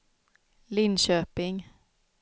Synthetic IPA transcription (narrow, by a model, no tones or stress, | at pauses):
lɪnɕøːpɪŋ